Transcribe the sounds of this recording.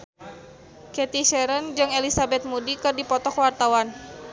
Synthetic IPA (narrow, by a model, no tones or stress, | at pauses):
kɛt̪iʃɛɾənd͡ʒɨŋelisabɛt̪̚mudikɨrdipɔt̪ɔkwart̪awan